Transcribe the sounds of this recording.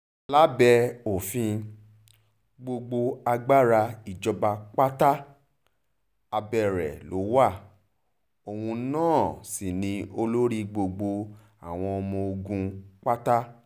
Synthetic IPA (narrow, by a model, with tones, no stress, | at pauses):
la˦bɛ˧o˨fĩ˧ | ɡ͡bo˧ɡ͡bo˧a˧ɡ͡ba˦ɾa˧i˨d͡ʒɔ˧ba˧k͡pa˦ta˦ | a˧bɛ˦˨ɾɛ̰˨lo˨˦wa˦˨ | o˧wũ˧˦nãː˦˨si˨nĩ˧o˧lo˦ɾi˦ɡ͡bo˧ɡ͡bo˧ | a̰˨w̃ɔ̃˧ɔ˧mɔ̃˧o˧ɡũ˧k͡pa˦ta˦